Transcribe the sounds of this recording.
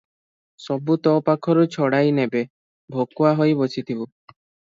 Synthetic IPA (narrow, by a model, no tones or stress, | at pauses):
sɔbut̪ɔpakʰɔɾut͡ʃʰɔɽajnebe | bʱokwaɦojbosʰit̪ʰibu